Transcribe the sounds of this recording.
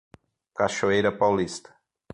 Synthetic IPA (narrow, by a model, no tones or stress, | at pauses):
kaʃoejɾɐpawlist̪ɐ̥